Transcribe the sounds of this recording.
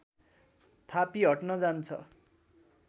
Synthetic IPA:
t̪ʰapiɦʌʈnʌd͡zant͡sʰʌ̰

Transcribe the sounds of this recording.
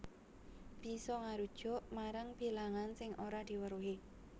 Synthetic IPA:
b̥i̤sɔŋaɾud̥ʒ̥ʊ̤ʔmaɾaŋb̥i̤laŋansɪŋʔoɾad̪̥i̤wəɾuɦe

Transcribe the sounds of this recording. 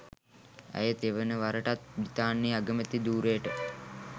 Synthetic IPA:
æ̰jət̪eʋənəʋaɾəʈat̪̚bit̪aːnːiaɡəmət̪id̪uːɾejəʈə

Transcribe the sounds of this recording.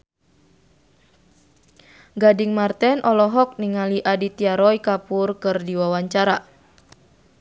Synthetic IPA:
ɡadiŋmart̪ɛnʔɔlɔɦɔk̚niŋaliʔadit̪iaɾɔikapurkɨrdiwawaɲt͡ʃaɾa

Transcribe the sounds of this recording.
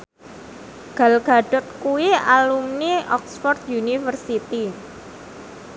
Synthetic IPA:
ɡ̥a̤lɡ̥a̤ɖ̥ɔ̤t̪̚kuwialumniɔksfɔrt̪junifərsit̪i

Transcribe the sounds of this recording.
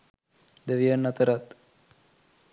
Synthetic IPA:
d̪əʋiənːat̪əɾat̪

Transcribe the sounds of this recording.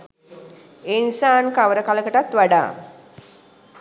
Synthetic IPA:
enisaːnkaʋəɾəkaləkəʈat̪ʋaɖa̰ː

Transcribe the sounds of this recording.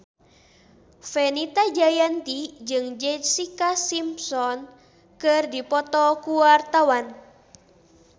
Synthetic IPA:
fɛnit̪ad͡ʒajant̪id͡ʒɨŋd͡ʒɛsikasimsɔn | kɨrdipɔt̪ɔkuwart̪awan

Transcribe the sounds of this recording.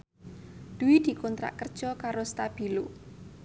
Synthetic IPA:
d̪̥uwid̪̥i̤kɔnt̪ɾa̰ʔkərd̥ʒ̥ɔkaɾost̪ab̥i̤lo

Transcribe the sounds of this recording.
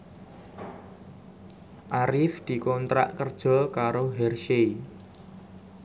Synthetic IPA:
ʔaɾɪfd̪̥i̤kɔnt̪ɾa̰ʔkərd̥ʒ̥ɔ̤kaɾoɦɛrʃei

